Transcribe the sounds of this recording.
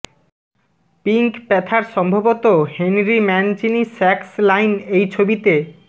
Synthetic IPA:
piŋkpɛt̪ʰaɾʃɔmbʱobot̪ohenɾimɛnt͡ɕinisɛkslajnejt͡ɕʰobit̪e

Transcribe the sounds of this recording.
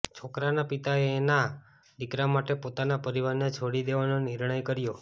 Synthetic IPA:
t͡ʃʰokɾanapit̪aeːna | d̪ikɾamaʈepot̪anapəɾiʋaɾnet͡ʃʰoɽid̪eʋanonɪɾɳ̃əjkəɾjo

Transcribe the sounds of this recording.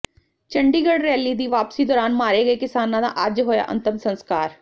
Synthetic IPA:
t͡ʃə̃ɳɖiːɡəɽɾɛːlid̪iːʋaːpsid̪ɔːɾaːnmaːɾeɡɐekɪsaːnãd̪a̰ʔad͡ʒɦoːja̰ʔə̰nt̪ɪmsə̃nskaːɾ

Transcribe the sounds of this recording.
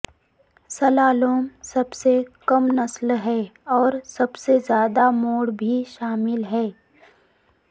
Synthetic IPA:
sɐlaːloːmsɐbsekɐmnɐslɦɛːɔːɾsɐbsezjaːd̪amoːɽbʱiʃaːmɪlɦɛː

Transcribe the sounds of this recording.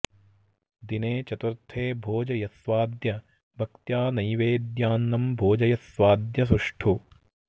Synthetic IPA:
d̪ineːt͡ʃɐt̪uɾt̪ʰeːbʱoːd͡ʒɐjɐsʋaːd̪jɐ | bʱɐk̚t̪jaːnɐjʋeːd̪jaːnːɐmbʱoːd͡ʒɐjɐsʋaːd̪jɐs̬uʂʈʰu

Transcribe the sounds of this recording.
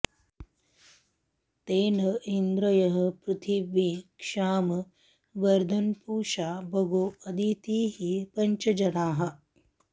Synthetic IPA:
t̪eːnɐind̪ɾɐjɐɦɐ̆pɾut̪ʰiʋikʂaːmɐ | ʋɐɾd̪ʱɐnpuːʃaːbʱɐɡoːɐd̪it̪iːɦipɐɲt͡ʃɐd͡ʒɐnaːɦɐ̆

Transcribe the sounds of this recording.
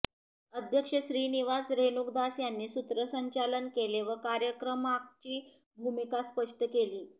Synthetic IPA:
əd̪ʱjəkʂəɕɾiːniʋasɾenukd̪asjanːiːsut̪ɾəsəɲt͡ɕalənkeleʋəkaɾjəkɾəmak̚t͡ɕiː | bʱumikaspəʂʈəkeliː

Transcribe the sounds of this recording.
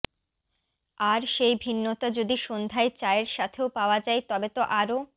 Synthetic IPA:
aɾʃejbʱinːot̪ad͡ʑod̪iʃond̪ʱaet͡ɕaeɾʃat̪ʰeopaoad͡ʑajt̪ɔbet̪oʔaɾo

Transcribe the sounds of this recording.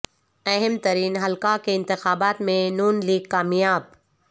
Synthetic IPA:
ɐɦɪmt̪ɐɾiːnɦɐlkakeɪ̃nt̪ɪxaːbaːt̪mẽnuːnliːɡ̚kaːmjaːb̚

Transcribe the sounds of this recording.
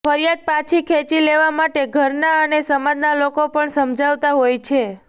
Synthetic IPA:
fəɾijad̪̚pãt͡ʃʰikʰet͡ʃileʋamaʈeɡʱəɾnaənesəmãd̪nalokopəɳsəmd͡ʒʱaʋt̪aɦojt͡ʃʰe

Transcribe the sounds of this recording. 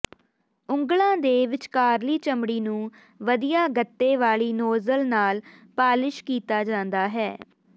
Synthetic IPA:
ʊ̃ŋɡlãːd̪eːʋɪt͡ʃkaːɾliːt͡ʃəmɽiːnũː | ʋəd̪ijaːɡət̪ːeːʋaːɭiːnoːzəlnaːlpaːlɪʃkiːt̪aːd͡ʒãːnd̪aːɦɛː

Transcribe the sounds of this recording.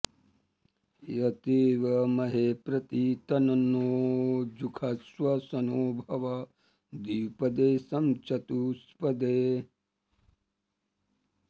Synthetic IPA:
jɐt̪iːʋɐmɐɦeːpɾɐt̪it̪ɐnɐnːoːd͡ʒukʰɐsʋɐsɐnoːbʱɐʋɐ | d̪iːpɐd̪eːsɐmt͡ʃʰɐt̪uspɐd̪eː

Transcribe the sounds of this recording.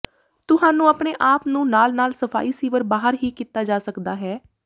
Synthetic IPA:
t̪ʊsaːnũːəpɳeːʔaːpnũːnaːlnaːlsəpʰa̰ːiːsiːʋəɾbaːɦəɾɦiːkiːt̪aːd͡ʒaːsəkd̪aːɦɛː

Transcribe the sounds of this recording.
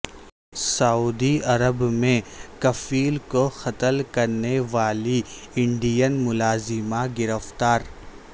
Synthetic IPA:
sɐuːd̪iɐɾəbmẽkɐfiːlkoxɐt̪əlkɐɾneʋaːli | ɪ̃ɳɖijənmʊlaːzɪmaɡɪɾəft̪aːɾ

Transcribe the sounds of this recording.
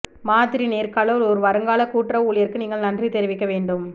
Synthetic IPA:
maːt̪ɪɾineːɾkaːɭɐʋlɔɾɯʋɐɾɐŋɡaːlɐkuːʈrɐuːɭɪjɐɾkɯniːŋɡɐɭnɐndrit̪ɛɾɪʋɪkːɐʋeːɳɖɯm

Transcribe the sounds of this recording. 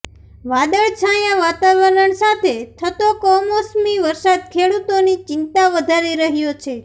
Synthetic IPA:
ʋad̪əɭt͡ʃʰajãʋat̪aʋəɾəɳsat̪ʰet̪ʰət̪okɔmosmiʋəɾsad̪̚kʰeɽut̪onit͡ʃɪnt̪aʋəd̪ʱaɾiɾəɦjot͡ʃʰe

